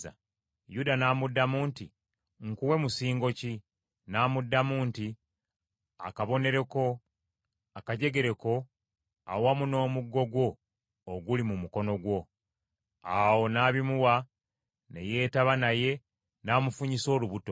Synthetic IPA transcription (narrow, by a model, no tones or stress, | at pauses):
a̰ | judanaːmudːamuːnti | ŋkuwe̞musiːŋɡo̞ci | naːmudːamuːnti | a̰kaβo̞ne̞ɾe̞ko̞ | akaɟe̞ɡe̞ɾe̞ko̞ | a̰wamuno̞ːmuɡːo̞ɡwo̞ː | ɡulimumuko̞no̞ɡwo̞ | awo̞naːβimuwa | ne̞̰je̞ːtaβanaje̞ | naːmufuɲiso̞ːluβuto